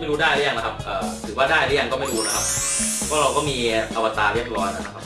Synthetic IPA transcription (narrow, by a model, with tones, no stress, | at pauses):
m˥˩jɾuː˦˥daː˥˩jɾɯ˦˥˩ja˧na˧˥kʰa˦˥p̚ʔɤː˨˩t̪ʰɯː˨˩˦waː˥˩daː˥˩jɾa˦˥˩ja˧ŋkɔː˥˩ma˥˩jɾuː˦˥na˦˥kʰa˦˥p̚pʰɔ˦˥ɾa˧wkɔː˥˩miː˧ʔa˧wa˧t̪aː˧ɾi˥˩əp̚ɾɔː˦˥jnʔa˧˩nʰa˦˧kʰa˦˥p̚